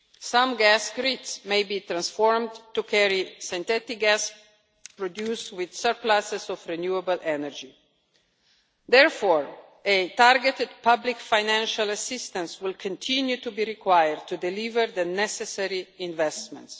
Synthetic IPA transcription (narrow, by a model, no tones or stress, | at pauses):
sãmɡæsɡɾitsmejbiːt̪ɾãnsfɔɹmtukʰɛɹisĩnt̪ɛt̪ɪk̚ɡæs | pɹɔd̪juːstwɪd̪̥səɹplasɛsɔvɹɛnjuəbəlʔɛnəɹd͡ʒi | d̪ɛɹfɔɹ | etaɾɡɛt̪ɪd̚pablikfajnæ̃nʃalasɪst̪ə̃nswɪlkʰɔ̃ntʰĩnjut̪ubiɾikwajəɹd̪̚t̪udɛlivəɾd̪ənɛsɛsɛɹiɪ̃nvɛstmɛ̰̃nts